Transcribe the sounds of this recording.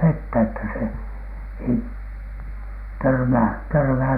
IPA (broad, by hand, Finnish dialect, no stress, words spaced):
ʋetːæ etːæ se ei tørmæː tørmæːt̆